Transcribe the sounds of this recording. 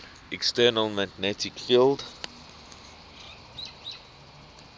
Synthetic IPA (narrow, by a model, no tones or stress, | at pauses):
ɛkstɛːnəlmaɡnɛtʰɪkfild